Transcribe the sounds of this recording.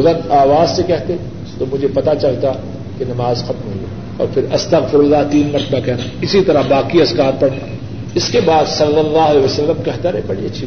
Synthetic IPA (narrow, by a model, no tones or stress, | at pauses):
ʊlə̃naːʋaːzsekɛɦt̪e | t̪omʊd͡ʒʱepɐt̪at͡ʃɐlt̪a | kenɐmaːzxɐt̪mɦiɛ̰ | ɔ̰ːɾpʰɪɾɐst̪ɐɣfɪɾʊzat̪iːnmɐɾt̪əbakɛɦnaːɪsit̪ɐɾabaːkiɐzkaːt̪̚pɐɽna | ɪskebaːd̪sɐlːɐlːaːɦleʋɐsɐlːəmkɛɦt̪aɾebɐɽiɐtːʃʰi